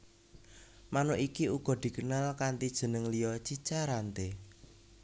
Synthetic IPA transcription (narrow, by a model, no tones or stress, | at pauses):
manoʔikiuɡ̥ɔ̤d̪̥i̤kənalkant̪id̥ʒ̥ə̤nəŋlijɔt͡ʃit͡ʃaɾant̪e